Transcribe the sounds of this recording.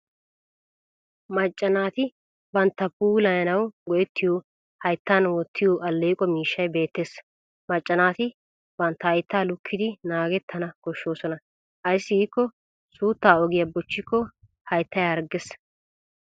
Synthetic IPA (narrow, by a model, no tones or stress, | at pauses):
mɐt͡ʃʼːɐnaːt̪ɪ | bɐnt̪ːɐpuːlɐjɐnɐwɡɔʔɛt̪ʰːɪjoː | hɐjt̪ːaːnwɔt̪ʰːɪjoʔɐlːeːkʼɔmiːʃːɐjbe̞ːt̪ːes | mɐt͡ʃʼːɐnaːt̪ɪ | bɐnt̪ːɐɐjt̪ːaːlʊkʰːɪd̪ɪnaːɡɛt̪ʰːɐnɐɡ̥ɔʃːo̞ːsɔnɐ | ʔɐjsːɪɡiːkːɔ | suːt̪ːaːɔɡɪjɐbɔt͡ʃːɪkːɔ | hɐjt̪ːɐjɐɾɡɛs